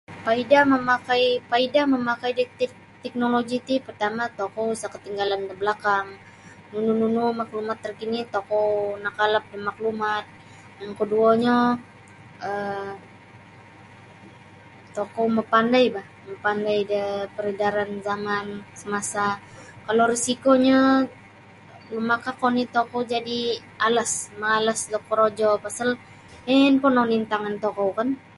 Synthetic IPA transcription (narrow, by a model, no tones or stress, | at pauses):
paidaməmakajpaidaməmakajdət̪ | t̪ɛk̚noloɡit̪ipərt̪amat̪okowusakət̪iŋɡaland̪əbəlakaŋ | nunununumaklumat̪ːərkinit̪okownakalap̚dəmaklumat̪̚ | jaŋkəduaɲa | ə | t̪okowməpandajbah | məpandajdəpəɾədaɾanzamansəmasa | kaloɾisikoɲa | lumakakonit̪okowd͡ʒadi | alasmaːlasdɔkɔɾod͡ʒɔpasal | mɛnpɔnonint̪aŋant̪okowkan